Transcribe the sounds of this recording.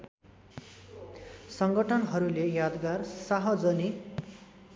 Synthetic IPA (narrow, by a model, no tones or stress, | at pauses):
sʌŋɡʌʈʰʌnɦʌɾulejad̪ɡarsaɦʌd͡zʌni